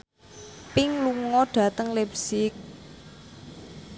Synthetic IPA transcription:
pɪŋluŋɔɖ̥ä̤t̪əŋlepsɪk̚

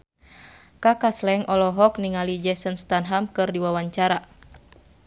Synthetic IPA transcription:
kakaslɛŋʔɔlɔɦɔkniŋalid͡ʒɛsənst̪anɦamkɨrdiwawaɲt͡ʃaɾa

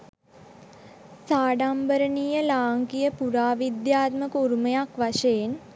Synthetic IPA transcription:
saːɖambəɾənijəlaːŋkijəpuɾaːʋid̪jaːt̪məkuɾumejakʋaʃeen

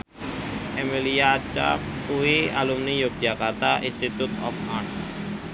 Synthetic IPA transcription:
ɛmilijat͡ʃa̰fkuialumnijok̚t̪jakat̪aʔĩnst̪it̪ut̪ɔ̰faʈ

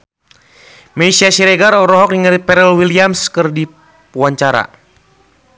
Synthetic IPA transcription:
mɛisiasiɾɛɡaɾɔɾɔɦɔk̚niŋəripɛɾɛlwiliamskɨrdi | puaɲt͡ʃaɾa̰

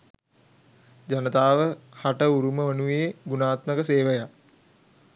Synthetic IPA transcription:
d͡ʒanət̪aːʋəhaʈəuɾuməʋənujeːɡunaːt̪məkəseːʋəja

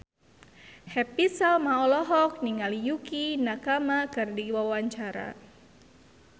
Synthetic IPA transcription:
hɛpisalmaɔlɔɦɔk̚niŋalijukinakamakɨrdiwawaɲt͡ʃaɾa̰

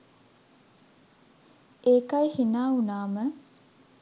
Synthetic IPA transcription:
eːkɐjhinaːunaːmə

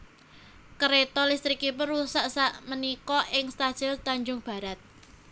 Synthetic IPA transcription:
kəɾet̪ɔlist̪ɾikipʊnusaʔsaʔmənikɔʔɪŋst̪ad̥ʒ̥ɛlt̪aɲd͡ʒʊŋb̥a̤ɾat̪̚

